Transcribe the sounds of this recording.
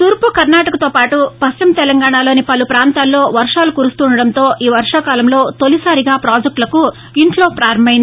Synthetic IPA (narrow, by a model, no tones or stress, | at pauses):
t̪uɾpukɐɾnaːʈɐkɐt̪oːpaːʈupɐst͡ʃɐmt̪ɛlɐŋɡaːɳaːlo̞ːnipɐlupɾaːnt̪aːlːo̞ːʋɐɾʂaːlukuːɾust̪uːɳɖɐɽɐnt̪o̞ːʔiːʋɐɾʂaːkaːlɐmlo̞ːt̪olisaːɾiɡaːpɾaːd͡ʒɐk̚ʈlɐku | iɳʈlo̞ːpɾaːɾɐmbɐjin